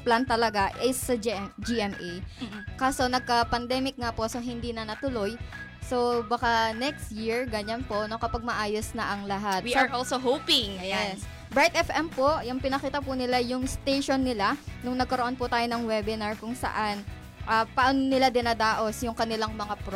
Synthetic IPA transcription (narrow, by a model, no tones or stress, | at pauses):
plant̪ɐlɐɡaʔɪsːɐd͡ʒd͡ʒiʔɛmʔekaːso̞nɐɡ̚kɐpɐnd̪ɛːmɪk̚ŋapo̞soɦɪnd̪inɐnɐt̪ʊlo̞jso̞bɐkanɛkst̪̚jiɹɡɐɲanpoʔnokɐpɐɡ̚mɐʔaːjosnɐʔɐŋlɐɦat̪̚wiaʔɔlsoɦowpɪŋja | bɹajt̪ʔɛfʔɛmpoʔjʊŋpɪnɐkiːt̪ɐpʊnɪlajʊŋst̪ejʃonːɪlanʊŋnɐɡ̚kɐɾoʔo̞npʊt̪aːjo̞nɐŋwɛbɪnɐɹkʊŋsɐ̰ʔan | ʔɐpaʔonnɪlad̪ɪnaːd̪aːʔo̞sjʊŋkɐnɪlaŋmɐŋapɾ